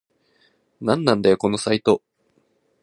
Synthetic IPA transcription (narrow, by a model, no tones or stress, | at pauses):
nãnːãnd̪ajoko̞no̞sait̪o̞